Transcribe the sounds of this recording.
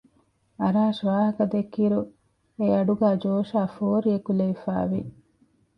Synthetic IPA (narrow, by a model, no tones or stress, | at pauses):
ɐɾaːʃʋaːɦɐkɐd̪ekːiɾu | eɐɖuɡæːd͡ʒoːʃaːfoːɾiekuleʋifa̰ːʋi